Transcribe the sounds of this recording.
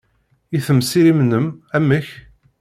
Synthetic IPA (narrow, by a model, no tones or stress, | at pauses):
iθəmsiɾimnəmæmːəç